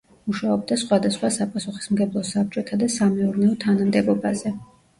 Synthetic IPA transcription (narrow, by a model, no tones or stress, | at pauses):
muʃaɔb̚d̪asχwad̪asχwasapʼasuχi̥smɡɛblˠɔsab̚t͡ʃʼɔt̪ʰad̪asamɛuɾnɛɔt̪ʰanamd̪ɛbɔbazɛ